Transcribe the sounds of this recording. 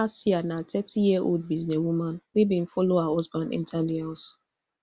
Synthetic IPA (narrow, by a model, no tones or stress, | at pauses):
asianatʰɛtʰijiɛʔo̰ld̚biznɛwumãnwibĩn̩fɔloaaɔzbãndḭ̃ntʰãnlihas